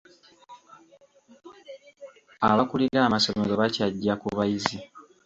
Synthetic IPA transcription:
aβakuliɾaːmaso̞meɾo̞βacaɟːakuβajizi

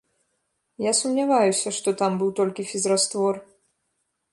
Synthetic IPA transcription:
jasumnʲavajusʲɐʂt̪ɔt̪ambɨwt̪ɔlʲkʲifʲizɾast̪vɔr

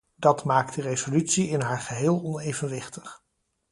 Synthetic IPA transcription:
d̥ɑtmaːk̚ddərejzolytsiɪnɦaːɹχəɦɪːlˠɔnejvənʋɪχtəχ

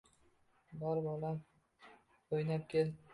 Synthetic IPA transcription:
bɒɾbɒlam | ojnap̚kʲʰel

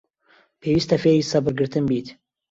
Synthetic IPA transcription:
pʰeːwist̪ɐfeɾisɐbɨɾɡɨɾt̪ɨnbiːt̪

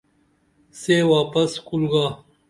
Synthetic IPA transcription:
sewaːpɐskulɡaː

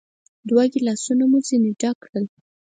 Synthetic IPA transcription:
d̪wɑɡilɑsunamuzineɖakːɽəl

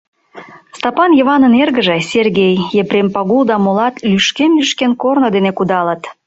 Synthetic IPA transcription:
st̪ɑpɑnjəβɑnənerɣə̆ʒesʲerɣejːepɾempɑɣuld̪ɑmolɑt̪lʲyʃkemlyʃkenkornod̪enekud̪ɑlət̪

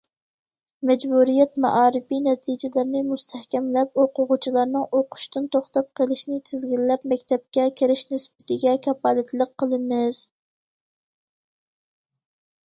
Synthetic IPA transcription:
mɛd͡ʒbuɾijɛt̪mɑ̰ʔɑːɾɪfinɛt̪ʰid͡ʒɪlɪɾnɪmust̪ʰæhkʲɛmlɛp̚oqʊʁʊt͡ʃʰilˠɑɾnɨŋʔoqʰʊ̥ʃt̪ɨnt̪ʰoχt̪ɑp̚qʰəlˠɪʃnɪt̪ʰɪzɡʲilːɛpmɛkʲt̪ʰɛp̚kʲɛkʲʰeɾɪʃnɪsbɪt̪ʰɪɡʲɛkʲʰɑpɑːlˠɪt̪ʰlˠəqqːəlˠɨmɪz̥

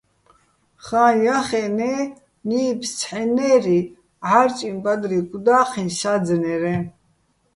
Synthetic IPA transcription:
χãːjaχɛnɛː | niːpʰst͡sʰħɛnɛːɾi | ʕaɾt͡ʃʼimbad̪ɾiɡʼud̪aːχinʃad͡znɛɾɛ

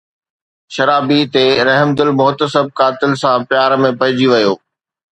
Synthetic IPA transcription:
ʃɐɾaːbit̪eɾɐɦmd̪ʊlmʊɦt̪əsəb̚kaːt̪ɪlsãpjaːɾmẽpɐɦɪ̃d͡ʑiʋɐjoː

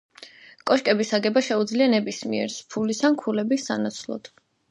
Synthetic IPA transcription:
kʼɔʃkʼɛbisaɡɛbaʃɛud̪zlianɛbismiɛ̰ɾspʰulisankʰulɛbisanat̪sʰlˠɔ̰d̪̥

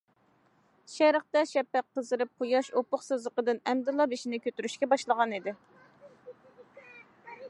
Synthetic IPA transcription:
ʃɛɾəχt̪ɛʃɛpːɛqːəzɨɾɨp̚qʰʊjɑʃopʊχsɨzəqəd̪ɨnɛmd̪ɨlˠɑbeʃinɪkʲʰøt̪yɾyʃkʲɛbɑʃlˠəʁɑnid̪ɪ

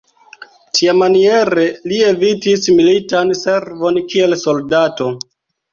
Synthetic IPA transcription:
tʰiamanie̞ɾelie̞vitismilitanse̞ɾvo̞nkie̞lso̞ldato̞

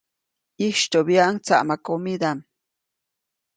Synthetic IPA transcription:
iʃt̪objaʔŋt͡sa̰ʔmakomid̪am

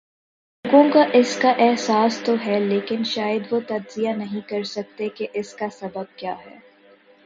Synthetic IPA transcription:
l | oːɡõkaʔɪskaʔɛɦsaːst̪oɦɛleːkɪnʃaːjəd̪ʋot̪ɐd͡ʒzijanɐɦĩkɐɾsɐk̚t̪ekeʔɪskasɐbəb̚kjaːɦɛ̰ː

